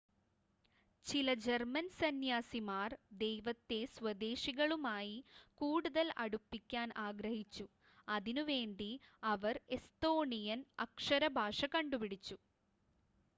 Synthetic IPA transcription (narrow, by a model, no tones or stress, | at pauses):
t͡ɕilɐd͡ʑermɐnsɐnjaːsimaːrd̪e̞jʋɐt̪ːe̞swɐd̪e̞ːɕiɣɐɭumaːjikuːɽuðɐlɐɽupːikʲːaːnʔaːɡɾɐhit͡ɕːu | ɐðinuʋe̞ːɳɖiɐʋɐre̞st̪o̞ːɳijɐnɐkʂɐɾɐbʱaːʂɐkɐɳɖupiɽit͡ɕːu